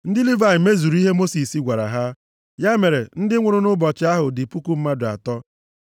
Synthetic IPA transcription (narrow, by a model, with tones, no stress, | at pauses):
n̩˦dɪ˦li˦va˨ɪ˨me˦zu˨ɾi˦ɦe˦mo˦si˨si˦ɡʷa˨ɾa̰˨ɦa˦ | ja˦me˨ɾe˨n̩˦dɪ˦ŋʷʊ˨ɾʊ˦nʊ˦bɔ˨t͡ʃɪ˦a˦ɦʊ˨dɪ˨pu˦ku˦m̩˦ma˦dʊ˨a̰˨tɔ˦